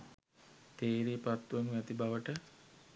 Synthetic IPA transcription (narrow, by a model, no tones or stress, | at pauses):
t̪eːɾiːpat̪ːuʋəmʋɛt̪ibaʋəʈə